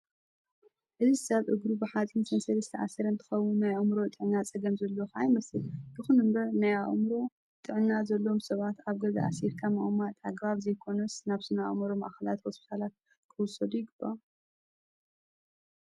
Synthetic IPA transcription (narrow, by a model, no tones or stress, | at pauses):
ʔɨzizɨsɐβʔɨɡɾubɨħat͡sʼɨnsʰɐnsɐlɐst̪ʰɐʕa̰sːɐɾɐnt̪ʰɨ̥xɐwunːajɐmɾo̞t̪ʼɨʕnːat͡sʼɐɡɐmzɐlːo̞xʔajmɐsɨlbɨxunɨmbɐɾnaja̰ʔmɾo̞ | t̪ʼɨʕnːazɐlːo̞msɐβat̪aβɡɐza̰ʔa̰siɾkʰamaʔumat̪ʰʼaɡβaβzɐjkʰo̞nɐsnaβsɨnaʔmɐɾomaʔaxɐla̰t̪hospi̥t̪ʰalat̪̚ | kʰɨwʊsɐd̪ujɪɡɨbːa